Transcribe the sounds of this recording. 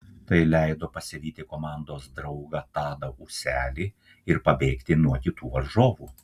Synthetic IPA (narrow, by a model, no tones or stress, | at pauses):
t̪ɐɪlʲɛɪd̪oːpɐsʲɪɾʲiːt̪ʲɪkoːmɑˑnd̪oːsd̪ɾɐʊɡɐt̪ɑːd̪ɐusʲæːlʲiː | ɪɾpɐbʲeːkt̪ʲɪnuɔkʲɪt̪uːʋɐɾʒoːʋuː